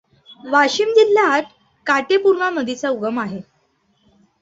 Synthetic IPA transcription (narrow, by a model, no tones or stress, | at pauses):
ʋaɕimd͡ʑiljaːt̪ | kaʈepuɾɳaməd̪ʱit͡sauɡəmaɦe